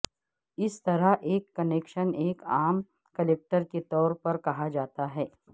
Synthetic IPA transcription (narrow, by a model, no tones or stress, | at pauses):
ɪst̪ɐɾaɦʔeːkːɐneːkʃəneːkaːm | kɐleːk̚ʈəɾket̪ɔːɾpɐɾkɐɦad͡ʒaːt̪aɦɛː